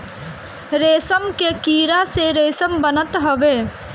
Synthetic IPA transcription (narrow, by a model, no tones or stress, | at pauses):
ɾeːsəmkekiːɾaseɾeːsəmbənət̪ɦoʋeː